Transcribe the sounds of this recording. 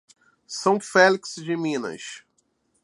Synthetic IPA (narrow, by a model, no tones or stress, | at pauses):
sɐ̃w̃fɛliksd͡ʒɪmĩnɐ̰ʃ